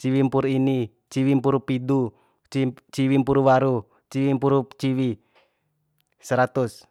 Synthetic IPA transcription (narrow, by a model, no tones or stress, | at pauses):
t͡ʃiwimpuɾini | t͡ʃiwimpuɾupidu | t͡ʃiwimpuɾuwaɾu | t͡ʃiwimpuɾut͡ʃiwi | səɾat̪us